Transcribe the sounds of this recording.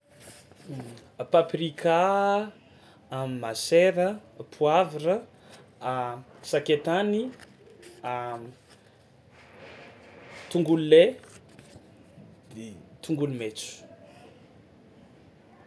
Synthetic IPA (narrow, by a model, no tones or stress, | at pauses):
paprikʰa | mimaseɾəpʰuavirə | saket̪ani | a | t̪uŋɡulle | et̪uŋɡulumet͡su̥